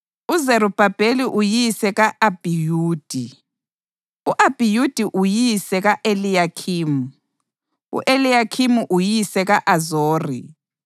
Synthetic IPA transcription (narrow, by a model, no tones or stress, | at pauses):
uzeɾub̥ʱab̥ʱeliʔujisɛɣaʔab̥ʱijuːd̥ʱi | uʔab̥ʱijud̥ʱiʔujisɛɣaʔelijakʰiːmu | ṵʔelijakʰimuʔujisɛɣaʔazoːrḭ